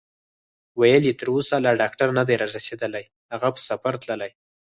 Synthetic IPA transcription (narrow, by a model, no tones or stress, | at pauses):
wajəlet̪əɾosalaɖɑk̚ʈaɾnad̪ajɾɑɾased̪əlaj | haɣapə̥safaɾt̪ləlaj